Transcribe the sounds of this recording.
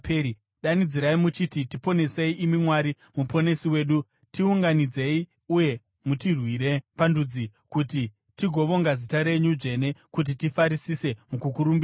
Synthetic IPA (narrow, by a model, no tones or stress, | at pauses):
pːi | ɗanid͡ziɾaimut͡ʃititipo̞ne̞se̞iʔimimwaɾi | mupo̞ne̞siwe̞ːɗu | tiuŋɡanid͡ze̞i | uje̞ | mutirwiɾe̞pandud͡zikuti | tiɡʱo̞ʋo̞ŋɡazitaɾe̞ɲud͡ʒe̞ne̞kut̬itifaɾisise̞mukukuɾumbia